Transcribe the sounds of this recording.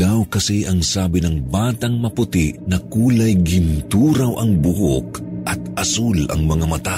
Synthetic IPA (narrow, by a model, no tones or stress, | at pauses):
awkɐsɛʔɐŋsaːbɪnɐŋbaːt̪ɐŋmɐpʊt̪ɪʔnɐkuːlɐjɡɪnt̪uːɾɐwʔɐŋbʊho̰kʔɐt̪̚ʔɐsulɐ̰ŋmɐŋamɐt̪a